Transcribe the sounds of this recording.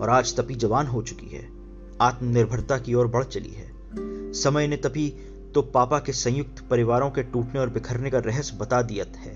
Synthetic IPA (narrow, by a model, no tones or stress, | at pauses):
ɔ̰ːɾaːd͡ʒt̪ɐpid͡ʒɐʋaːnɦot͡ʃʊ̥kḭɦɛ̰ː | aːt̪mənɪɾbʱəɾt̪akiɔːɾbɐɽ̤t͡ʃɐlḭɦɛ̰ː | sɐməjnet̪ɐpi | t̪opaːpakesɐ̃jʊk̚t̪ʰpɐɾɪʋaːɾõkeʈuːʈneɔːɾbɪkʰəɾnekaɾɛɦəsbɐt̪ad̪ijət̪hɛː